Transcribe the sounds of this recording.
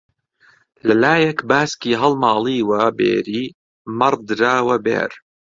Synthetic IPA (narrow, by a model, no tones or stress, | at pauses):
lɐlaːjɐkbaːskiːɦɐlmɑːlˠiːwɐbḛːɾiː | mɐɾd̪ɾaːwɐbḛːɾ